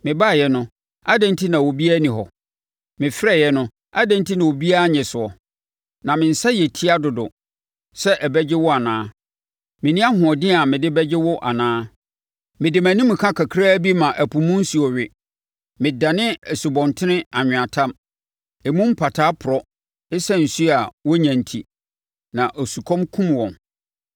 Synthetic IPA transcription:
mɪ̃˨ba˦˨jɛ˦nʊ̃˦ | a˦dɛ̃˦n˦tʰi˦nã˨wo˨bi˦a˦nĩ˨ɦɔ̰˨ | mɪ̃˨fɪ˦ɾɛ˦˨jɛ˦nʊ̃˦ | a˦dɛ̃˦n˦tʰi˦nã˨wo˨bi˦a˦a˦ɲɛ̃˨sʊ˨ɔ˨ | nã˨mɪ̃˨n̩˨sa˦jɛ˨tʰi˦a˦dʊ˨dʊ̰˨ | sɛ˦ʔɛ˨bɛ˦d͡ʑɪ˦wʊ˦a˨nãː˦ | mɪ̃˨nĩ˦a˦hʊ̃˨ɔ˨dɪ˦a˨mɪ̃˨dɪ˦bɛ˦d͡ʑɪ˦wʊ˦ʔa˨nãː˦ | mɪ̃˨dɪ˨mæ̃˨nĩ˦mːɪ̃˨kʰã˦kʰa˨kʰɾaː˦bi˦mã˨ʔæ˨pʰũ˨mũ˦n̩˦su˨ɔ˨ɥɪ˨ | mɪ̃˨da˨nɪ̃˦ɛ˨su˨bɔ̃˨ntʰɪ˦nɪ̃˦a˨ɲᶣɪ̃˨a˨tʰã˦m | ɛ˨mũ˦m̩˦pʰa˨tʰaː˦pʰʊ˨ɾɔ˦ | ɪ˦sɛ˦n̩˨su˦a˨wɔ˦ɲæ̃˨ntʰi˨ | nã˨ʔɔ˨su˨kʰɔ̃˦mkʰũ˦mwɔ̃˨n

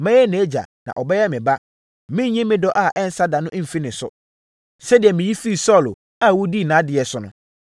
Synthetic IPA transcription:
mɛ̃˦ɛ˦nẽ˨˦d͡ʑa̰˨nã̰˨ʔɔ˨bɛ˦jɛ˦mɪ̃˨ba˦ | mɪ̃˦ɲɛ̃˦mɪ̃˦dɔ˦ʔa˨ʔɛ˦n̩˦sa˦da˨nʊ̃˦ʔm̩˨fi˦nɪ̃˨˦sʊ̰˦ | sɛ˦dɪ˨ɛ˨mɪ̃˨ji˦fi˦˨sɔ˦˨lo˨ | a˦˨wu˦di˦˨nãː˨˦dɪ˨ɛ˨sʊ˨nʊ̰̃˦

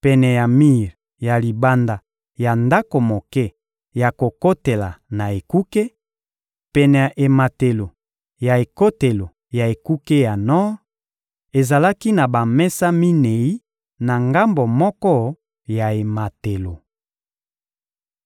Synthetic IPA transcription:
pɛ˨nɛ˨ja˨mi˦˨ʁ | ja˨li˨ba˦nda˨ | ja˨nda˦ko˨mo˨kɛ˦ | ja˨ko˨ko˦te˨la˨na˨e˨ku˦ke˦ | pɛ˨nɛ˨ʔe˨ma˨te˨lo˨ | ja˨e˨ko˦te˨lo˨ | ja˨e˨ku˦ke˦ja˨nɔ˦ | e˨za˨la˦ki˦na˨ba˨mɛ˦sa˦mi˦ne˨i˦ | na˨ŋɡa˦mbo˨mɔ˦kɔ˦ | ja˨e˨ma˨te˨lo˨

